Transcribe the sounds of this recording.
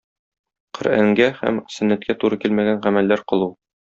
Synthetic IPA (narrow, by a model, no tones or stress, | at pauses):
qɘ̆ɾæŋɡæhæ̰msɵ̆nːæt̪̚kʰæt̪uɾɤkilmæɡænʁæmælːæɾqɤ̆lˠu